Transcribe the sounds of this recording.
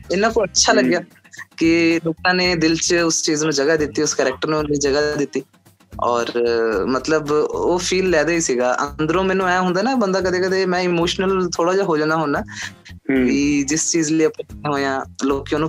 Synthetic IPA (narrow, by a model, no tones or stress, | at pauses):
ɪnːãːpoətːʃʰaːləɡjaː | kɪloːkãːneːd̪ɪlt͡ʃʊst͡ʃiːznũːd͡ʒəɡaːd̪ɪt̪ːiːʊskɛːɾɛːk̚ʈəɾnũːniːd͡ʒəɡaːd̪ɪt̪ːiː | ɔːɾmət̪ləboːpʰiːlːɛːd̪aːiːsiːɡaːʔə̰nd̪əɾõːmɛ̃ːnũːɛ̃ːɦʊ̃nd̪aːnãːbənd̪aːk̬əd̪eːkəd̪eːmɛ̃ːɪmoːʃnəlt̪ʰoːɽaːd͡ʒaːɦoːd͡ʒãːnaːɦoːnaː | kid͡ʒɪst͡ʃiːzləiːəpːɦoːjãːloːkjãːnũː